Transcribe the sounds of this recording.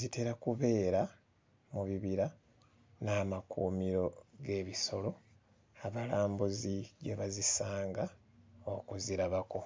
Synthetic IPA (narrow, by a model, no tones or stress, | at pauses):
zite̞ɾakuβe̞ːɾa | muβiβiɾa | naːmakṵːmiɾo̞ɡe̞ːβiso̞lo̞ | aβalaːmbuziɟe̞βazisaːŋɡa | okuziɾaβako̞